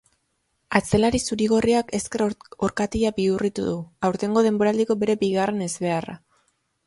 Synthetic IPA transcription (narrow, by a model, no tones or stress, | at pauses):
at͡se̞laɾisuɾiɣ̞o̞riake̞ske̞ro̞ɾkat̪iʎabiurit̪uðuawɾt̪e̞ŋɡo̞ð̞e̞mbo̞ɾald̪iko̞be̞ɾe̞biɣare̞ne̞zβe̞ara̰